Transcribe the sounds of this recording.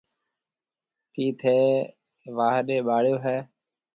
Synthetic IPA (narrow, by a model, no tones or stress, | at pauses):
kiːt̪ʰeː | ʋaːɦɗeːɓaːɽjoːɦɛː